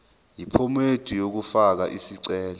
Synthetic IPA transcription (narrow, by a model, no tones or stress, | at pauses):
jipʰɔmed̥ʱijok̬ufak̬aʔisiǀɛːlɔ